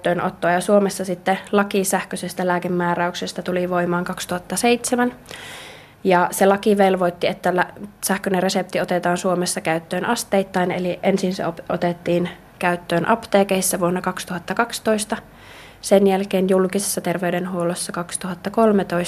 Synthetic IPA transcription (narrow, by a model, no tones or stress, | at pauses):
t̪ːøːnʔo̰t̪ːoːjɑsuomesːɑsit̪ːelɑkisæhkøsest̪ælæːkemːɑːɾæyksest̪ɑt̪uliʋoimɑːŋkɑkst̪uhɑt̪ːɑseit̪semæn | jɑselɑkiʋelʋoit̪ːiet̪ːælæsæhkøneresept̪iot̪et̪ɑːnsuomesːɑkæyt̪ːøːnʔɑst̪eit̪ːɑineliʔʔensinsḛopʔo̰t̪et̪ːiːn | kæyt̪ːøːnʔɑpt̪eːkeisːæʋuonːɑkɑkst̪uhɑt̪ːɑkɑkst̪oist̪ɑ | senjælkeːnjulkise̥sːɑt̪erʋeydenɦuolosːɑkɑkst̪uhɑt̪ːɑkolmet̪ois